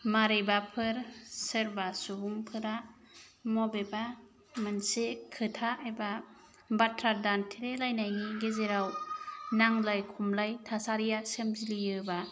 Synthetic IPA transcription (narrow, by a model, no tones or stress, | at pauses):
maɾejbapʰɯɾsɯɾbasubuŋpʰɯɾa | mɔbeba | mɯnsekʰːɯtʰaeba | batʰɾadantʰeɾelajnajniɡezeɾawnaŋlajkʰumlajtʰasaɾijasemzilijɯba